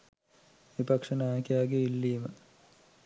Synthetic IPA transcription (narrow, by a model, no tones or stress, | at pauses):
ʋipɐkʂɐnaːkejaːɡeilːiːmə